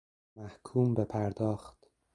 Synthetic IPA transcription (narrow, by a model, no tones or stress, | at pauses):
mæhkʰuːmbepʰæɾd̪ɒːxt̪